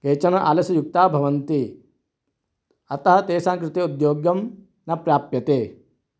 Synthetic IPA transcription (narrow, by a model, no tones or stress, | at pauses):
keːt͡ʃɐnɐʔa̰ːlɐsɐjuk̚t̪aːbʱɐʋɐnt̪i | ɐt̪ɐɦɐt̪eːsaːŋkɾɪt̪eud̪joːɡjɐm | nɐpɾjaːpjɐt̪eː